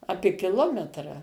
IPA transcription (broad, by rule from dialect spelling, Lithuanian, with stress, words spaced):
ˈɑːpʲeː kʲɪˈlˠoːmʲɛtrɐ